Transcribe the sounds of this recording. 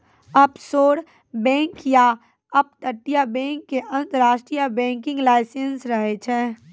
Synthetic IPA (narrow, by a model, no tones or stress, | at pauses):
ɐbsoːɽ | bɛ̃ːŋkja | ɐb̚t̪əʈːijabɛ̃ːŋkːeʔə̃nt̪əɾaːʃʈɾijabɛ̃ːŋkɪ̃ŋɡlaːɪsensɾəɦet͡ʃʰɛː